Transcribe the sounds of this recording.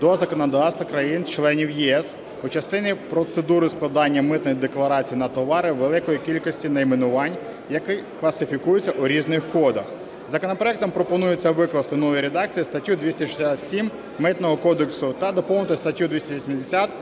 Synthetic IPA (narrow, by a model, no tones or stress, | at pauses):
d̪ɔzɐkɔnɐd̪ɑwst̪ʋɐkɾɐjint͡ʃlˠɛnʲiwjiɛs | ut͡ʃɐst̪ɪnʲipɾɔt̪sed̪uɾɪsklˠɐd̪ɑnʲːɐmɪt̪nɔjid̪eklˠɐɾɑt͡sʲijinɐt̪ɔʋɑɾɪʋelˠɪkɔjikʲilʲkɔsʲtʲinɐimenʊʋɑnʲ | jɐkɪklˠɐsɪfʲikujʊt͡sʲːɐʔuɾʲiznɪxkɔd̪ɐx | zɐkɔnɐpɾɔɛk̚t̪ɔmpɾɔpɔnujʊt͡sʲːɐʋɪklˠɐst̪ɪnɔʋɔjiɾed̪ɑk̚t͡sʲijist̪ɐtʲjud̪ʲʋʲisʲtʲɐʃɪ̥sʲat̪sʲim | mɪt̪nɔɦɔkɔd̪eksʊt̪ɐd̪ɔpɔwnɪt̪ɔst̪ɐtʲjud̪ʲʋisʲtʲɐʋʲisʲmʲɪzʲd̪ʲesʲat̪